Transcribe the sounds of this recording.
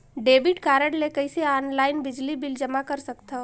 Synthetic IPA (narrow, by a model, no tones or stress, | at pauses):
ɖeːbɪʈkaːɾəɽlekɐiseaːnlaːɪnbɪd͡ʒlibɪld͡ʒɐmakɐɾsɐkt̪aɦ